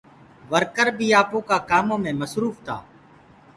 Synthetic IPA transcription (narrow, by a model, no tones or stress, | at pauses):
ʋəɾkəɾbʱiːaːpõːkaːkaːmõːmẽːməsɾuːft̪ʰa̰ː